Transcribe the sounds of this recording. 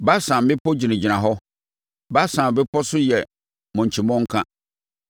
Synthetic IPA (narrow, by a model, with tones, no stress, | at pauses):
ba˦sã˨m˨bɪ˦pʰɔ˦d͡ʑi˨nɪ̃˨d͡ʑi˨nã˨ɦɔ˦ | ba˦sã˨m˨bɪ˦pʰɔ˦sʊ˦jɛ˨ | mʊ̃˨ɲ˨t͡ɕʰi˨mɔ̃˦ŋ̩˦kʰã˦